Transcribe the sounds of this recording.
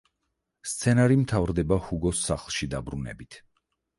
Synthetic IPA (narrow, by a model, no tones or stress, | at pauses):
st̪sʰɛnaɾimt̪ʰavɾd̪ɛbahuɡɔsːaχlˠʃid̪abɾunɛ̰bit̪ʰ